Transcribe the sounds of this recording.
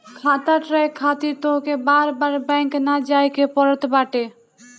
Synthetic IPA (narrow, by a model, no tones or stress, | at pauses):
kʰat̪aʈɾəjkʰat̪iɾt̪oɦkebaɾbaɾbɛ̃ŋknad͡ʒajkepɔɾət̪baʈe